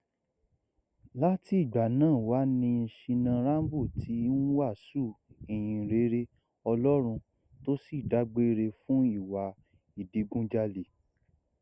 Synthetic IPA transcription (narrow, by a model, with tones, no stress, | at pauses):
la˦ti˦i˦˨ɡ͡ba˨nãː˦˨wa˨˦nĩ˧n̩˧ʃĩ˧nã˧ɾa˦m˦bu˦˨tʰi˨˦n̩˦wa˦˨su˦˨e˨j̃ĩ˨ɾe˨˦ɾe˦ | ɔ˧lɔ˦ɾ̃ũ˧ | to˦si˦˨da˨˦ɡ͡be˦ɾe˧fũ˦i˦˨wa˨˦ | i˨di˨˦ɡũ˦d͡ʒa˧le˨